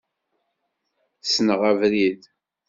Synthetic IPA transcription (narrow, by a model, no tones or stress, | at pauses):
snəʁævɾið